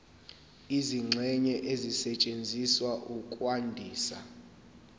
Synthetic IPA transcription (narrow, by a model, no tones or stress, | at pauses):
iziŋ͡ǀʱɛɲɛʔezisɛt͡ʃʼend͡zʱiswaʔukʼwandʱiːsa̰